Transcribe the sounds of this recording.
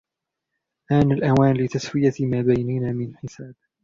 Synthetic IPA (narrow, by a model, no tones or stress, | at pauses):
ʔaːnalʔawaːnlɪt̪aswɪjamaːbajnanaːmɪnħɪsaːb̚